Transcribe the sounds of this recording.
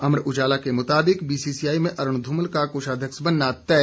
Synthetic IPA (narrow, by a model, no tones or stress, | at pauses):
ɐmɾʊd͡ʒaːlakemʊt̪aːbɪkbiːsiːsijaːimẽʔɐɾʊɳ̃d̪ʱʊməlkakoːʃʰaːd̪ʱjəksbɐnːat̪ɛː